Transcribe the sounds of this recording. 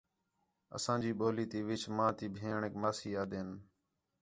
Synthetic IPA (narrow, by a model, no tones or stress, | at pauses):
ə̰sãːd͡ʒiːɓoːliːt̪iːʋɪt͡ʃmãːt̪iːbʱẽːɳekmaːsiːaːd̪eːn